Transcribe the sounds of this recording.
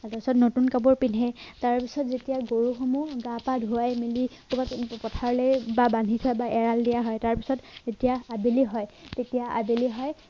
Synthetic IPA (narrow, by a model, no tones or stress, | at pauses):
ataisɔtnotunkabɔɹpinɛtaɹpisɔtzetijaɡoɹuxɔmuɡapadʱuajmilikʰubatpɔtʰaɹlɛbabandʱitʰɔjbaʔɛɹaldijaɦɔjtaɹpisɔtetijaabeliɦɔjtetijaʔa̰beliɦɔj